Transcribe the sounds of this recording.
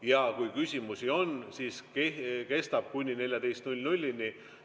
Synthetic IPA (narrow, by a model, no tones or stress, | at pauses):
jɑkujkysʲimusio̞nsiːskeke̞st̪ɑb̥̚kunʲːine̞lʲjɑd̪̥e̞jst̪nulʲnulʲːinʲi